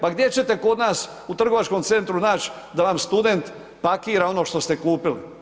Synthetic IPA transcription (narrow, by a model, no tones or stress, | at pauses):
paɡd̪je̞t͡ʃe̞t̪e̞ko̞d̪naːs | ut̪r̩ɡo̞ʋat͡ʃko̞mt̪se̞nt̪ɾunaːt͡ʃ | d̪aʋamst̪ud̪e̞nt̪ | pakiːɾao̞no̞ːʃt̪o̞st̪e̞kuːpilḭ